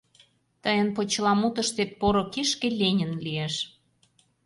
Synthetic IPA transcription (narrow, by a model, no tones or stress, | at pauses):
t̪əjənpot͡ɕlɑmut̪ə̆ʃt̪et̪̚poɾokiʃkelʲenʲənlieʃ